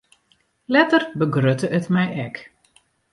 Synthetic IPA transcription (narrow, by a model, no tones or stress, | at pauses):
lɛtərbəɡrøtəʔətmɛjɛk